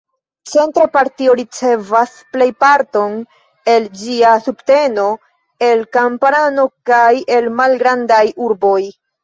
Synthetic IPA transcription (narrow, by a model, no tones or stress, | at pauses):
t͡se̞ntɾapaɾtio̞ɾit͡se̞vas | ple̞jpaɾto̞n | e̞ld͡ʒiasubte̞no̞ | e̞lkampɾano̞kaje̞lmalɡɾandajuɾbo̞j